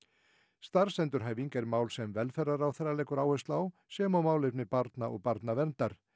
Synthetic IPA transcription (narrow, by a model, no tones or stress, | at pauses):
st̪aɾ̥sɛnt̪ʏɾ̥ɦaːjviŋkɛɾmaːwlsɛmvɛlfɛraɾawθɛɾalɛːkʏɾaːwhœst̪laːwsɛːmawmaːwlɪpnɪpaɾt̪naʔɔ̰ɣpaɾt̪navɛnt̪aɾ̥